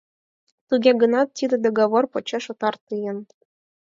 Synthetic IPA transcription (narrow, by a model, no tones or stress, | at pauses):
t̪uɡʲeɡɤ̆nɑt̪ʲːid̪ə̆d̪oɡoβorpŏt͡ɕeʃŏt̪ɑrt̪ɯjɤ̆n